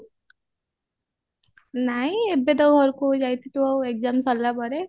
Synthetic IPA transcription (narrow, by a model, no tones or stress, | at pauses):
najebed̪ʌwɦʌɾukod͡ʒajt̪it̪uʌwek̚d͡zamsʌlːabʌɾe